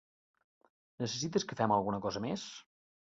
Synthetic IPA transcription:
nəsəsit̪əskəfɛməlˠɣunəkɔzəmes

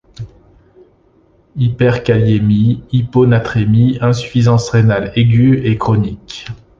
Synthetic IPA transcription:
ipɛʁkaljemiiponat̪χemiɛ̃sy̥fizɑ̃sʁenaleɡʲyekχɔnik

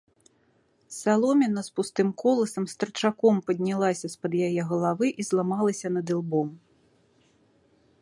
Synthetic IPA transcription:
salˠɔmʲɐnɐspust̪ɨmkɔlˠɐsɐmst̪ɐrt͡ʂakɔmpɐd̪ʲnʲalˠasʲɐspɐd̪jajɛɣɐlˠavɨʔizlˠamalˠɐsʲɐnɐd̪ɨlˠbɔm

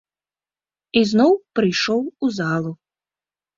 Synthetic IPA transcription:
iznɔwpɾɨjʂɔwuzalˠu

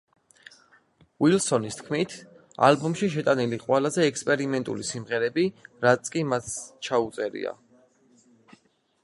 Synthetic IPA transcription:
wilˠsɔnist̪ʰkʰmit̪ʰ | a̰lbumʃiʃ̬ɛt̪ʼaniliqʼwɛlazɛːkspʼɛɾimɛnt̪ʼṵlisimʁɛɾɛbiɾat̪sʰʼkʼimat̪t͡ʃʰaut̪sʼɛɾḭa̰

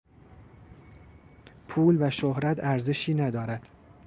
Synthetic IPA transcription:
pʰuːlvæʃohɾæt̪ʰæɾze̞ʃiːnæd̪ɒːɾæd̪̥

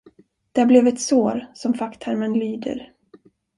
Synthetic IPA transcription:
d̪̥ɛæblɛvɛt̪soːɾsɔmfakt̪ʰæɾmənlyːd̪ə̰ɾ

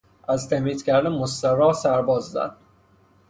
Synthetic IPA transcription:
ʔæzt̪ʰæmiːt̪cʰæɾd̪æmost̪æɾɒːsæɾbɒːzːæ̰d̪̥

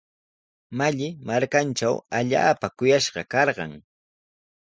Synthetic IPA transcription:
maʎɪmaɾkanʈ͡ʂawaʎa̰ːpakʊjaʃɢɑkɑɾɢɑ̰ŋ

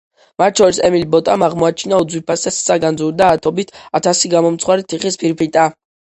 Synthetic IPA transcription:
mat̪̚t͡ʃʰɔɾisɛmilbɔt̪ʼamaʁmɔat͡ʃʰinaud̪zwipʰasɛssaɡand̪zuɾd̪aːt̪ʰɔbit̪ʰat̪ʰasiɡamɔmt̪sχwaɾit̪ʰiχispʰiɾpʰit̪ʼa

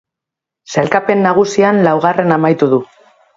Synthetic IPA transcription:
selkape̞nːaɣ̞usianlawɣ̞are̞namajt̪uðu

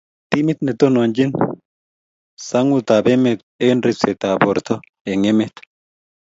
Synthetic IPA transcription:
t̪imit̪net̪onond͡ʒin | saŋut̪abemet̪̚enɾiset̪aboɾt̪o | eŋemet̪

